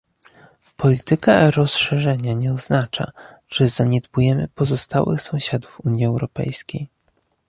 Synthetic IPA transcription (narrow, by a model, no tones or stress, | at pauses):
pʰɔlʲit̪ɘka̰ɾɔsʂɛʐɛɲaɲɛɔznat͡ʂa̰ | ʐ̥ɛzaɲɛd̪bujɛmɘ̰pɔzɔst̪awɘ̰xsɔ̃w̃ɕad̪ufuɲjiɛwɾɔpɛ̰jskʲej